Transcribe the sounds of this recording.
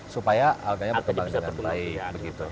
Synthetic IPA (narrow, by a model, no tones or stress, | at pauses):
supajaalɡaɲabərkəmbalakanpaɪk̚bəɡit̪u